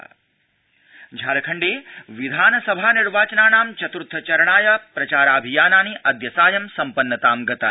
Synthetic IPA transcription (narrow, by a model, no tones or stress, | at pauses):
d͡ʒʱaːɾɐkʰɐɳɖeːʋid̪ʱaːnɐsɐbʱaːniɾʋaːt͡ʃɐnaːnaːmt͡ʃɐt̪ɾut̪ʰːɐt͡ʃɐɾɐɳaːjɐpɾɐt͡ʃaːɾaːbʱijaːnaːniʔɐd̪jɐsaːjɐmsɐmpɐnːɐt̪aːmɡɐt̪aː